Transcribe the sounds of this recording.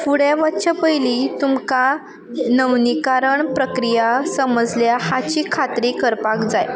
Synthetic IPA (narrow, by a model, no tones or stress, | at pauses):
fuɽjaʋatːt͡ɕapəjlit̪umka | nəwnikaɾəɳpɾəkɾijasəməd͡zljahat͡ɕiːkʰat̪ɾikəɾpakd͡zaj